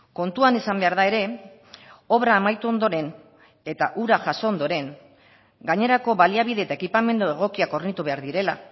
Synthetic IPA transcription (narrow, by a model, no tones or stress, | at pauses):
ko̞nt̪uanisambe̞aɾðae̞ɾe̞ | o̞βɾaːmajt̪uo̞nd̪o̞ɾe̞n | e̞t̪aʔuɾaʝaso̞ond̪o̞ɾe̞ŋ | ɡaɲe̞ɾako̞βaliaβ̞iðe̞ːt̪ae̞kipame̞nd̪ueɣ̞o̞kiako̞rnit̪uβe̞aɾðiɾe̞la̰